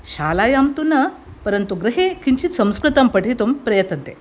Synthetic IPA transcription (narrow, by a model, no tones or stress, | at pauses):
ɕalajamt̪unə | pəɾənt̪uɡɾɐɦekiɲt͡ɕiːt̪sə̃w̃skɾɨt̪əmpəʈit̪umpɾɐjət̪ənt̪ḛ